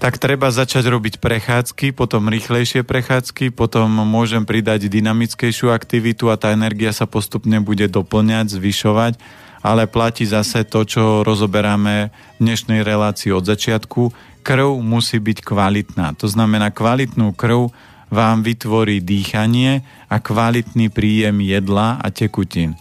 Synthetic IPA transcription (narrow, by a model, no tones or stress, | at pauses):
t̪akt̪ɾɛbazat͡ʃaɟɾɔbicpɾɛxaːt͡skipɔt̪ɔmɾiːxlɛjʃɪɛpɾɛxaːt͡skipɔt̪ɔmːʊɔʒɛmpɾid̪aɟd̪inamit͡skɛjʃɪuakt̪iʋit̪uat̪aːɛnɛɾɡiasapɔst̪upɲɛbuɟɛd̪ɔpl̩ɲaɟzʋiʃɔʋac | alɛplaciːzasɛt̪ɔt͡ʃɔɾɔzɔbɛɾamɛ | d̪ɲɛʃnɛjɾɛlaːt͡siːɔd̪zat͡ʃɪat̪kʰu | kr̩ʊmusiːbickʋalit̪naːt̪ɔznamɛnaːkʋalit̪nuːkr̩ʊ | ʋaːmʋit̪ʋɔɾiːd̪iːxaɲɪɛ | akʋalit̪nipɾiːjɛmjɛd̪laa̰cɛkucin